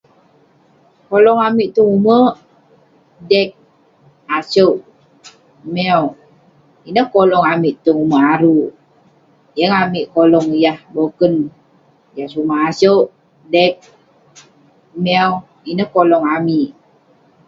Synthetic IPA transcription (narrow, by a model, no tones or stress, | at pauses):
kolɔŋamiʔt̪uŋumə | dɛk̚ | asoʔ | mɛw | inəhkolɔŋamiʔt̪uŋuməʔaɾu | jəŋamiʔkolɔŋjahbokən | jasumahasəʔ | dɛk̚ | mɛw | inəhkolɔŋamiʔ